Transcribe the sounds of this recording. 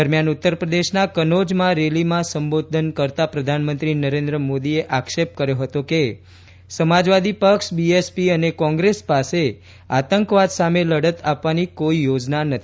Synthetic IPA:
əɾmjanut̪ːəɾpɾəd̪eʃnakənod͡ʒmãɾelimãsəmbod̪ʱənkəɾt̪apɾəd̪ʱanmənt̪ɾinəɾẽnd̪ɾəmod̪ieʔakʃep̚kəɾjoɦət̪oke | səmad͡ʒʋad̪ipəkʃbiespiənekɔ̃ŋɡɾespase | at̪əŋkʋad̪sameləɽət̪apʋanikoijod͡ʒnanət̪ʰ

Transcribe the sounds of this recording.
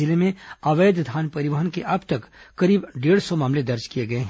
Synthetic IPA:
ɪlemẽaːʋeːd̪d̪ʱaːnpɐɾɪʋaːɦənkeʔɐbt̪ɐkːɐɾiːbɖeːɽsɔmaːmled̪ɐɾd͡ʒkijeɡɐeɦɛ̃

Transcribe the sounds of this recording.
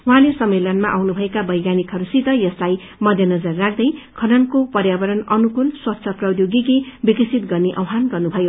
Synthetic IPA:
uɦãlesʌmːelʌnmaʔawnubʱʌekabʌjɡjanikɦʌɾusit̪ʌjʌslaj | mʌd̪ʱjʌnʌd͡zʌrːak̚ʰd̪ʌjkʰʌnʌnkopʌrjabʌɾʌnʌnukulswʌt̪ːsʰʌprʌwd̪joɡikibikʌsʰit̪ɡʌrneʔʌ̰wɦanɡʌrnubʱʌjo

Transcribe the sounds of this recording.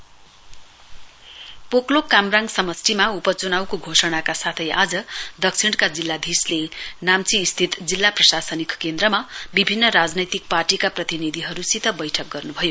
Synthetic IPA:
poklokamraŋɡsʌmʌsʈimaupʌt͡sunawkoɡʱosʌɽ̃akasat̪ʰʌjʔad͡zʌd̪ʌk̚t͡sʰiɽ̃kad͡zilːad̪ʱislenamt͡siːst̪ʰit̪d͡zilːaprʌsasʌnikkend̪ɾʌmabibʱinːʌɾad͡znʌjt̪ik̚parʈikaprʌt̪inid̪ʱiɦʌɾusit̪ʌbʌjʈʰʌk̚ɡʌrnubʱʌjo

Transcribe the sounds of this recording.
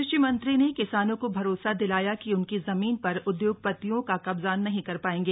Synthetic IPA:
ɪʃimɐ̃nt̪ɾinekɪsaːnõkobʱɐɾoːsad̪ɪlaːjakiʊnkizɐmiːnpɐɾʊd̪joːɡ̚pɐt̪ːijõkakɐbzaːnːɐɦĩkɐɾpaːẽːɡeː

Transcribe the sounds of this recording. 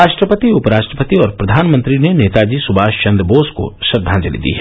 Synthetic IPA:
aːʃʈɾəpət̪iʊpɾaːʃʈɾəpət̪iɔːɾpɾɐd̪ʱaːnmə̃nt̪ɾineneːt̪ad͡ʒiːsʊbʱaːʃt͡ʃɐ̃nd̪ɾboːsko̰ʃɐɾd̪ʱːãd͡ʒɐlḭd̪ḭɦɛ

